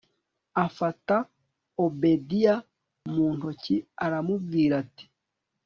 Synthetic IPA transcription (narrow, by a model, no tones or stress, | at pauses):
afata | obedija | muːn̥ociaɾamuvɡiːɾati̥